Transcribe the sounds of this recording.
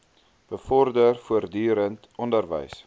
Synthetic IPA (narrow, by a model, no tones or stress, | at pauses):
b̥əfɔrdərfuərdyːɾənt | ɔndərvə̰js